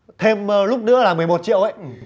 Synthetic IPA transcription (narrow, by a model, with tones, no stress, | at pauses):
t̪ʰe˧mlʊ˦˥k͡p̚nɨ̰˧˥əlaː˨˩mɨ˨˩əjmo˨˩t̚t͡ɕḭ˧˨əwʔə̰˧˨j